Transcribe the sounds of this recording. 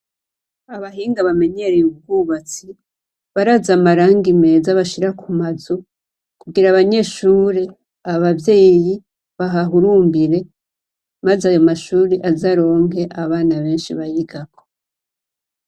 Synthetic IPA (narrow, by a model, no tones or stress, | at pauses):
aβaɦiːŋɡaβame̞ɲe̞ɾejiβuɡuβat͡si | βaɾazamaɾaːŋɡime̞ːzaβaʃiɾakʰumazu | kuɡiɾaβaɲe̞ʃuːɾe | aβavje̞ːji | βaɦaɦuɾuːmbiɾe̞ | mazajo̞maʃuːɾiʔazaɾo̞ːŋɡe̞ʔaβaːnaβe̞ːnʃiβajiɡako̥